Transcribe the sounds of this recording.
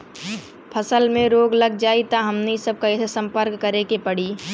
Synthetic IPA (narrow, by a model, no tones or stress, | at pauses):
pʰɐsəlmẽɾoːɡlɐɡ̚d͡ʒaːit̪aɦɐmnesəb̚kaɪt̪ʰsɐ̃mpəɾkːɐɾekepɐɽ̤iː